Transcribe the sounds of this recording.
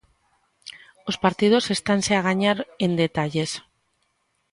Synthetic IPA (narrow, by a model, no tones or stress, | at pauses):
o̞spaɾt̪ið̞o̞se̞st̪anseaɣ̞aɲaɾe̞nd̪e̞t̪aʎe̞s